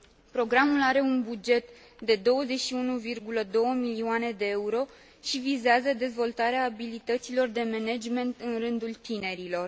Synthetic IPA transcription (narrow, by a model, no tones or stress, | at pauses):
pɾo̞ɡɾamulaɾe̞unbud͡ʒe̞t̪ | d̪e̞d̪o̞wəze̞t͡ʃʃiunuvirɡuləd̪o̞wəmiliane̞d̪e̞euɾo̞ | ʃivizeazəd̪e̞zvo̞lt̪aɾeaːbilit̪ət̪silo̞rd̪e̞mened͡ʒme̞nt̪ɨnrɨnd̪ult̪ine̞ɾilo̞r